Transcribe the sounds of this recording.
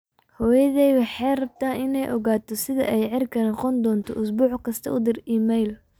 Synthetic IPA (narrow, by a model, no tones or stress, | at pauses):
hɔːjɐðɛjwɑħɑjrɐb̚t̪ʰaːʔɪnɛjʔɔɣaːt̪ʰɔsɪðɐ̰ʔɛjʕɪrkʰɐnɑqɔnd̪ɔːnt̪ʰɔʔʊsbuːħkʰɐst̪ʰɐ̰ʔʊd̪ɪriːmɛjl